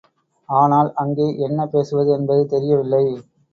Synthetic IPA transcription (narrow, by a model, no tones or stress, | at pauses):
aːnaːlɐŋɡeːʔɛnːɐpeːsɯʋɐðɯɛnbɐðɯt̪ɛɾɪjɐʋɪlːɐɪ